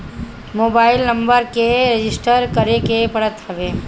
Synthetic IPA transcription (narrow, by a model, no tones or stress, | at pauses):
moːbaːɪlnə̃mbəɾkeɾed͡ʒɪsʈəɾkəɾekepɐɽət̪ɦɐʋeː